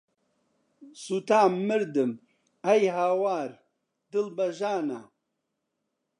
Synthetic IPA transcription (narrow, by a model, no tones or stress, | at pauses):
sut̪aːmːɨɾd̪ɨm | ɐjɦaːwaːɾ | d̪ɨlbɐʒaːna̰